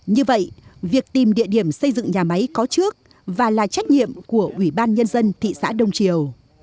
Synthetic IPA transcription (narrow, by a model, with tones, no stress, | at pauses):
ɲɨ˧və̰˧˨jvi˨˩ək̚t̪i˨˩mɗḭ˧əɗi˧˩əmsə˧jzɨ̰˧˨ŋɲaː˨˩ma˨˦jkɔ˨˦t͡ɕɨ˦˥ək̚ | vaː˨˩laː˨˩t͡ɕa˦˥jk̟̚ɲḭ˧˨əmku˧˩əʔwi˧˩ɓaː˧nɲə˧nzə˧nt̪ʰḭ˧˨sa̰ː˧˥ɗə˨˧˩wŋ͡mt͡ɕi˨˩əw